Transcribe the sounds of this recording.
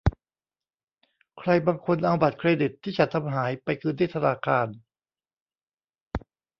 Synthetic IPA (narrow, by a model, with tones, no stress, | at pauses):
kʰɾa˧jbaː˧ŋkʰo˧nʔa˧wba˨˩t̪̚kʰɾeː˧di˨˩t̪ʰːiː˥˩t͡ɕa˨˩t̪ʰa˧mɦaː˩˦jpa˧jkɯː˧ndaː˥˩t̪ʰa˧naː˧kʰaː˧n